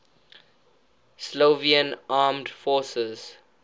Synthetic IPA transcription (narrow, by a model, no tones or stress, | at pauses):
sloviə̃nʔaːmdfɔːsəz̥